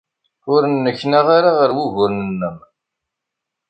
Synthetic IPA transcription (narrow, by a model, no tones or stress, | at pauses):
ʊɾənːəçːnaʁaɾaʁəɾwuʝʊɾnənːəm